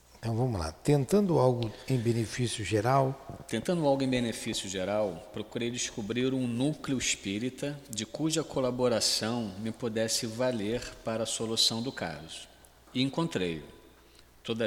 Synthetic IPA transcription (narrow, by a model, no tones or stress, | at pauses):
ẽt̪ɐ̃w̃vɐ̃mʊla̰t̪ẽnt̪ɐ̃nd̪ʊawɡʊẽj̃benefisjʊʒeɾawt̪ẽnt̪ɐ̃nd̪ʊawɡʊẽbenefisjʊʒeɾawpɾokuɾejd͡ʒɪskubɾiɾũnukleʊɪʃpiɾit̪ɐd͡ʒɪkuʒɐkolaboɾasɐ̃w̃mɪpod̪ɛsɪvaleɾpaɾɐːsolusɐ̃w̃d̪ʊka̰zʊ̥ | ɪẽŋkõnt̪ɾejʊ̰ | t̪od̪ɐ